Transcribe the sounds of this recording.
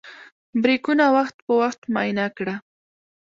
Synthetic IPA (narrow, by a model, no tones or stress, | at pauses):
bɾɪkʊnawɑχt̪pʊwɑχt̪majnakɽa